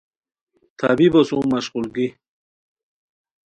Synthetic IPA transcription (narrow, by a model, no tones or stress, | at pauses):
t̪ʰabibosũmaʃqulɡi